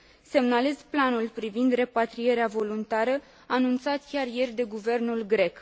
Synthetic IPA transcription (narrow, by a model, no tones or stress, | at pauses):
se̞mnale̞zplanulpɾivind̪re̞pat̪ɾije̞ɾeavo̞lunt̪aɾə | anunt̪sat̪kʲarje̞rʲd̪e̞ɡuve̞rnulɡɾe̞k